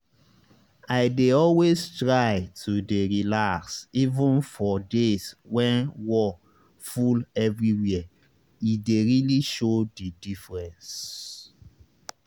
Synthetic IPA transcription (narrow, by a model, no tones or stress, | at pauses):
aɪdeɔlwestɹaɪtʰudeɹilaksivə̃nfɔdezwɛ̃nwɔ | fulɛvɹiwiə | ideɹiliʃodidifɹɛ̃ns